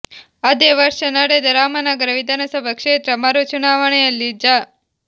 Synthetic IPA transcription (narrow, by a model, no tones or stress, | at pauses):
əd̪eʋəɾʃənɐɽed̪ɐɾamənaɡəɾəʋid̪ʱanəsəbʱəkʂet̪ɾəmaɾut͡ʃunaʋəɳlid͡ʒa